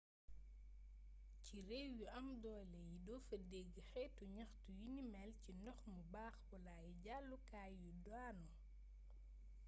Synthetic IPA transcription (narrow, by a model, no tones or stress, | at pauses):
ciɾewjuʔɐmdɔːjlɛjidɔːfɐdeɡixɛtuɲɐxtujinimɛlcinɔxmubaːxbɔlajiɟalːukaːjːudwaːnɔ